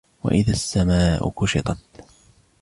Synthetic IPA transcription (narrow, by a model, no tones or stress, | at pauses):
wa̰ʔɪðasːamaːʔʊ̰kʊʃɪt̪ˤɑt̪̚